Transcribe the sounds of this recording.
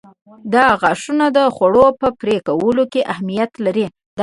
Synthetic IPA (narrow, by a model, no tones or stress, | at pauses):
d̪ɑɣaʂunad̪əxaɽopəpɾekawəlokeʔahmijat̪laɾi | d̪